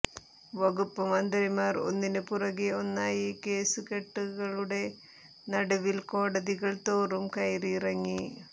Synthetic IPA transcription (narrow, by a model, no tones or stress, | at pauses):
ʋɐɣupːɐmɐnd̪ɐɾimaːro̰nːinɨpurɐɣeonːaːjikeːsukeʈːuɣɐɭuɽe̞ | nɐɽɐʋilkoːɽɐðiɣɐɭt̪oːrumkɐjriːrɐŋːi